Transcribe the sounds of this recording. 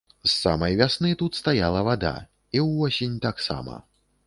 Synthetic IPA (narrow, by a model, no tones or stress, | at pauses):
sːa̰mɐjvʲasnɨt̪ut̪st̪ajalˠɐvad̪a̰ | iwɔsʲinʲt̪aksa̰mɐ̰